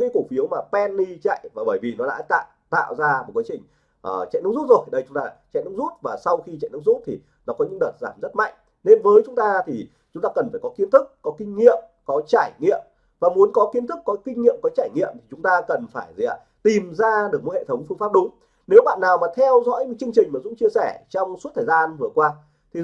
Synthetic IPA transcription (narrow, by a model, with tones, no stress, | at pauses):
kaː˨˦jko˧˩fi˨˦əwmaː˨˩pɛ˧nːi˧t͡ɕa̰˧˨jvaː˨˩ɓəː˧˩jvi˨˩nɔ˨˦ɗa̰ː˧˥t̪a̰ː˧˨ | t̪a̰ː˧˨wzaː˧mo˨˩t̚kaː˨˦t͡ɕï˨˩ŋ̟ | ʔəː˨˩t͡ɕa̰˧˨jnʊ̰˧˥zu˦˥t̚zo˨˩jɗə˧jt͡ɕʊ˨˦ŋ͡mt̪aː˧t͡ɕa̰˧˨jnʊ̰˧˥ŋ͡mzu˦˥t̚vaː˨˩sa˧wxi˧t͡ɕa̰˧˨jnɨ˧˥ŋ͡mzu˦˥t̚t̪ʰi˨˩ | nɔ˨˦kɔ˨˦ɲɨ̰˧˥ŋɗəː˨˩t̚zaː˧˩mzə˦˥t̚ma̰˧˨jŋ̟ | ne˧nvəː˨˦jt͡ɕʊ˨˦ŋ͡mt̪aː˧t̪ʰi˨˩ | t͡ɕʊ˨˦ŋ͡mt̪aː˧kə˨˩nfaː˧˩jkɔ˨˦ki˨˦ənt̪ɨ˦˥k̚ːɔ˨˦kï˧ŋ̟ŋḭ˧˨əm | kɔ˨˦t͡ɕaː˧˩jŋḭ˧˨əm | vaː˨˩mu˨˦ənkɔ˨˦ki˨˦ənt̪ʰɨ˦˥kːɔ˨˦kï˧ŋ̟ŋḭ˧˨əmkɔ˨˦t͡ɕaː˧˩jŋḭ˧˨əmt̪ʰi˨˩t͡ɕʊ˨˦ŋ͡mt̪aː˧kə˨˩nfaː˧˩jz̰ə˨˩ | t̪i˨˩mzaː˧ɗɨ˨˩ək̚mo˧˥hḛ˧˨t̪ʰə˨˦wŋ͡mfɨ˧ŋfaː˦˥p̚ɗʊ˨˦ŋ͡m | ne˨˦wɓa̰ː˧˨nːaː˨˩wmaː˨˩t̪ʰɛ˧wzɔ̰˧˥jɲɨ̰˧˥t͡ɕɨ˧əŋt͡ɕï˨˩ŋ̟maː˨˩zʊ̰˧˥ŋ͡mt͡ɕi˧əsɛ˧˩t͡ɕɔ˧wŋ͡msu˦˥t̪ʰəː˨˩zaː˧nvɨ˨˩əkwaː˧ | t̪ʰi˨˩